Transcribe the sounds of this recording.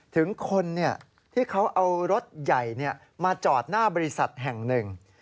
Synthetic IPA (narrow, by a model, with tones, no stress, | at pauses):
t̪ʰɯ˩˦ŋkʰo˧nːi˥˩ɐ | t̪ʰiː˥˩kʰa˦˥wʔa˧wɾo˦˥t̪̚ja˨˩jni˥˩ɐ | maː˧t͡ɕɔː˨˩t̪̚naː˥˩bɔː˧ɾi˧˥sa˨˩t̪̚ɦɛ˨˩ŋnɯ˨˧ŋ